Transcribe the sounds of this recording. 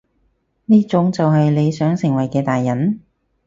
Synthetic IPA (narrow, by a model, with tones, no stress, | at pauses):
niː˥t͡sʊ˨˥ŋt͡sɐ˨wɦɐ˨jle˨˧jsœː˨˥ŋsɪ˨˩ŋwɐ˨˩jkɛː˧t̪aː˨jːɐ˨˥n